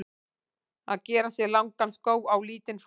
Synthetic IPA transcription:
a̰ðcɛːɾasjɛɣlawŋkanskoːwawliːt̪ɪnf

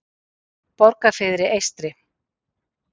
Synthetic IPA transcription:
pɔɾkafɪðɾɪʔejst̪ɾɪ

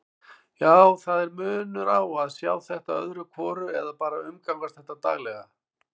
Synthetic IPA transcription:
jaːwθaðɛɾmʏːnʏɾawaðsjaːwθɛht̪aœ̰ðɾʏkʰvɔːɾʏɛðapaːɾaʏmkawkast̪θɛht̪ːat̪a̰ːɣlɛɣa

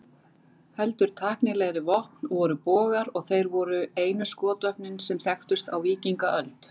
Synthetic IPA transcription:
hɛlt̪ʏɾ̥t̪ʰaːhknɪɣlɛɣɾɪvɔhpnvɔɾʏpɔːɣaɾɔɣθejɾvɔɾʏeːjnʏskɔːt̪œhpnɪnsɛmθjɛxt̪ʏst̪a̰wviːciŋkaʔœlt̪

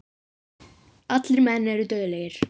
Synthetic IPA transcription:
ɑt̪liɾmæːnːæɾid̪øjlæjiɾ̥

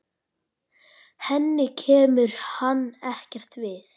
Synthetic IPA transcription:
hɛnːɪcʰɛːmʏɾ̥hanːɛhcɛr̥t̪vɪθ

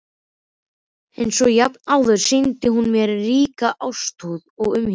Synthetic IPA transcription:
ɛjnsɔjapnaːwðœɾ̥sint̪ɪɦunmjɛɾːiːkaʔawst̪uːðɔɣʏmhɪ

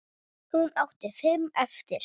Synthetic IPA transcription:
hunawht̪ɪfɪmɛft̪ɪɾ̥

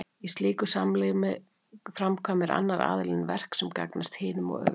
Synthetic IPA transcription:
ist̪lɪːkʏsamlɛmɪ | fɾamkʰvaːmɪɾa̰nːaɾa̰ːðɪlɪnvɛr̥ksɛmka̰knast̪hɪːnʏmɔ̰ɣœ̰

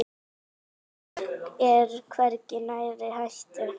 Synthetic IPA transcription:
ɛɾkʰvɛɾcɪnaːjɾɪhajst̪ɪ

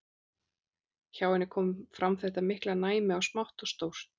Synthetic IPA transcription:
çaːwɛnːɪkʰɔːmfɾamθɛht̪amɪhklanaːjmɪawsmawht̪ɔst̪owst̪

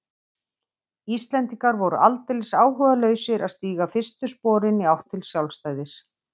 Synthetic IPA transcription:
ist̪lɛnt̪iŋkaɾvɔɾʏʔalt̪ɪlsaːwɦʏvalœːɥsɪɾaðst̪iːɣafɪst̪ʏspɔːɾɪniawht̪ʰɪlsjawlst̪aːjðɪs

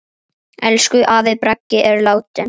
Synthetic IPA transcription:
ɛlskʏʔaːvɪðpɾacːɪʔɛɾlaːwt̪ɪ

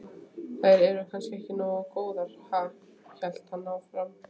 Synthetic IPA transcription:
θajɾɛɾʏkʰanskɪɛhcɪnɔːɣakoːwðaɾ̥haːk | çɛl̥t̪hanːaawfɾam

